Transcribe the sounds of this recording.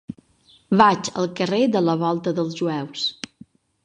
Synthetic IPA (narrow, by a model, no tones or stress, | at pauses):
βat͡ʃə̰lˠkəred̪ələβ̞ɔlˠt̪əðəlˠzʒuɛws